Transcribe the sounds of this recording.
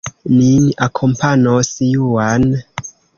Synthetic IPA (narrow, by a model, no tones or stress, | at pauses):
miniʔakʰompʰanosjuwan